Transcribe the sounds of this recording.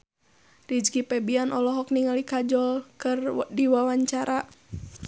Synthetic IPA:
rid͡ʒɡipɛbianʔɔlɔɦɔk̚niŋalikad͡ʒɔlkɨrdiwawaɲt͡ʃaɾʔa

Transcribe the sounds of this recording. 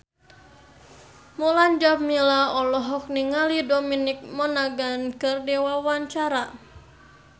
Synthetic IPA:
muland͡ʒab̚milaɔlɔɦɔk̚niŋalidɔminik̚mɔnaɡankɨrdɛwawaɲt͡ʃaɾa

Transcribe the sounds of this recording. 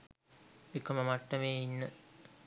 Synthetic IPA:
ekəməmaʈːəʋeːinːə

